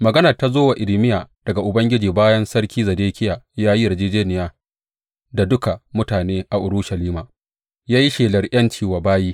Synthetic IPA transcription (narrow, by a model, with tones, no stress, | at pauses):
mɐ˨ɡɐ˦nɐ˨ta˦zoː˦wa˨ʔɪ˨lɪ˨mɪ˦jaː˨d̥ɐ˨ɡa˨ʔʊ˨bɐ˦ŋɡʲɪ˦d͡ʒiː˨baː˦jɐ˦nsɐ˦ɽkʲiː˦zɐ˨deː˦kʲɪ˦jaː˨jaː˦ji˦jɐ˨d͡ʒeː˦d͡ʒeː˦nɪ˨jaː˦ | da˨dʊ˦ka˨mʊ˦taː˨neː˦ʔa˨ʔʊ˨ɾʊ˦ʃɐ˨liː˦maː˨ | jaː˦ji˦ʃeː˨lɐ˨rʔɐ˦nt͡ʃiː˦wa˨baː˦jiː˦